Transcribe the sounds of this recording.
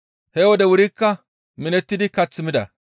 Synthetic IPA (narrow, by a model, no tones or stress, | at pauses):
hɛwɔd̪ɛwʊɾikːɐ | mɪnɛt̪ːɪd̪ɪkɐt͡sːɪmɪd̪ɐ̰